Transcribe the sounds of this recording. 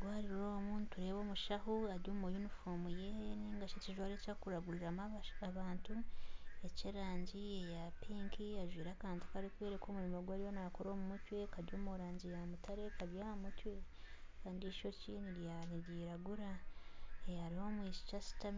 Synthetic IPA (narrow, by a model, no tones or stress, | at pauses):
ɡwaːɾiɾɾomuːntuɾe̞ːβo̞ːmuʃahuaɾjoːmojunifomujeniːŋɡat͡ʃeciʒwaɾecakuɾaɡuɾiɾamaaβaːntue̞ciɾaːɲɟiejapiːŋkʰiaʒwiːɾakaːnti̥kaɾikwe̞ːɾekoːmuɾimoɡwaːɾijonakoɾoːmumutwe̞kaɾjoːmoɾaːɲɟijamutaɾe̞kaβjahamutwe̞ | kaːndiʃo̞ciniɾjaniɾiɾaɡuɾa | ehaɾiho̞mwiʃi̥t͡ʃasi̥tam